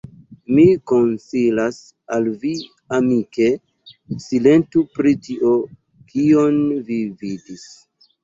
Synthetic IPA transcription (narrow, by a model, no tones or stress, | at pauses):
mikonsilas | alvi | amike̞ | sile̞ntupɾitiʔo̞ | kʰio̞nvividis